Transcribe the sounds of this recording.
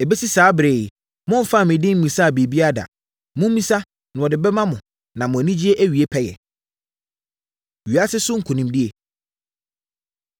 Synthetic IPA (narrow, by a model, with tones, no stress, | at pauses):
e˨be˦si˦saː˨˦bɾe˨ | mʊ̃˦m̩˨fa˦˨mɪ̃˨dɪ̃˦m̩˦mĩ˨sa˦a˨be˨bi˦a˦da̰˨ | mʊ̃˦m̩˦mĩ˦sa˦ | nʊ̃˨ɔ˨dɪ˨bɛ˦mã˦mʊ̃˨ | nã˨mʊ̃˨æ˨nĩ˦d͡ʑi˦e˦ʔæ˦ɥi˨e˦pʰɛ˦jɛ̰˨ | ɥɥa˦sɪ˦sʊ˦ŋ̩˦˨kʰʊ˨nĩ˨mdɪ˦e˨